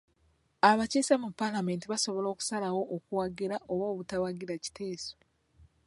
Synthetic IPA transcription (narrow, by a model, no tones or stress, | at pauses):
aβacesamupːalame̞ːntiβaso̞βolo̞ːku̥salawo̞ʔːkuwaɡiɾaʔoβoːβutawaɡiɾaci̥tʰeːso